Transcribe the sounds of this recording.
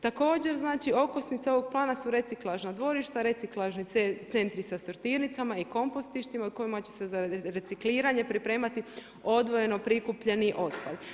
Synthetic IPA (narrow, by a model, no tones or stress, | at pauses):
t̪ako̞ːd͡ʑe̞ɾznaːt͡ʃio̞kosnit̪seo̞ʋo̞ɡ̚plˠaːnasuɾe̞t̪siklˠaʒnad̪ʋo̞ɾiʃt̪aɾe̞t̪iklˠaʒnit̪e̞nt̪ɾisasoɾt̪iːɾnit̪samaiko̞mpost̪iʃt̪imauko̞imat͡ɕe̞̥sezaɾe̞t̪sikliːɾaɲepɾipɾe̞ːmat̪i | o̞d̪ʋo̞je̞no̞pɾikupʎe̞niʔo̞t̪pa̰ʎ